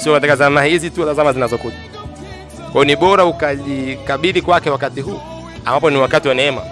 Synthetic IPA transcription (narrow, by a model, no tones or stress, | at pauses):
siɔkatikazamahizitualazamazinazɔkuʄa | kwajɔniɓɔɾaukaʄikaɓiðikwakɛwakatiɦuː | a̰mbapɔniwakatiwanɛɛma̰